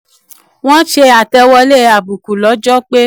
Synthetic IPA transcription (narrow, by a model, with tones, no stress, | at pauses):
w̃ɔ̃˦ʃe˧a˨tɛ˧wɔ˧le˦˨˧a˨bu˨ku˨lɔ˨˦d͡ʒɔ˦k͡pe˦